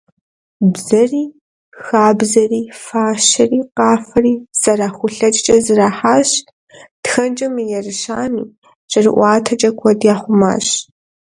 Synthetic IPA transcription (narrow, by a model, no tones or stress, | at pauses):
bzɐriː | xaːbzɐriːfaːʃɐriːqɑːfɐriːsɐraxʷʊɬɐt͡ʃʼt͡ʃʼɐzɨraːħaːɕ | txɐnd͡ʒʼɐmijɛrɨʃaːmḭː | t͡ʃʼɐrɨ̰ʔʷɑːtʰɐt͡ʃʼɐkʷʰɔdjaːχʷʊma̰ːɕ